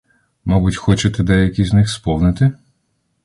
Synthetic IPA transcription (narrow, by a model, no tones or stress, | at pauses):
mɔbutʲxɔt͡ʃet̪ɛd̪ɛjɐkʲiznɪxspɔwnɪt̪ɪ